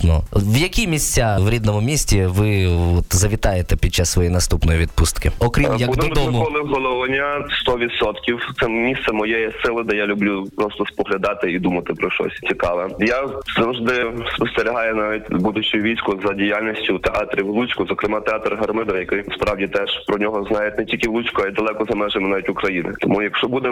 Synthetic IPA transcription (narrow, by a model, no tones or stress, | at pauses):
nɔʋjɐkʲimʲisʲt͡sʲaʋɾʲid̪nɔmʊmʲisʲtʲiʋɪɔt̪zɐʋʲit̪ɑjet̪ɛpʲid̪̚t͡ʃassːʋɔjinɐst̪upnɔjiʋʲid̪pust̪kɪɔkɾʲimjɐkbud̪ɔmɔmʊɔlˠɪɦɔlˠɔʋɐnʲast̪ɔʋʲit̪sɔt̪kʲiwt̪sɛmʲist̪sɛmɔjɛjɛsɪlˠɪd̪ɛjalʲʊblʲupɾɔst̪ɔspɔɦlʲɐd̪ɑt̪ɪid̪umɐt̪ɪpɾɔʃtɔ̰sʲt͡sʲikɑʋɛjazɐwʒd̪ɪspɔst̪eɾʲiɦɑjɛnaʋʲitʲbud̪ʊt͡ʃʊjʊʋʲijsʲkʊzɐdʲijalʲnʲisʲtʲʊt̪eɑt̪ɾʲiwlˠut͡ʃkʊzɔkɾɪmɑt̪eɑt̪rɦɐrmɪd̪ɔʋjɐkɪjspɾɑwdʲit̪ɛʒ̥pɾɔnʲɔɦɔznɑjɪtʲnɛtʲilʲkɪʋlˠut͡ʃʲkʊɐjd̪ɐlˠɛkɔzɐmɛʒemnɑʋʲitʲʊkɾɐjinɪ̰t̪ɔmujɐkʃt͡ʃɔbud̪ɛ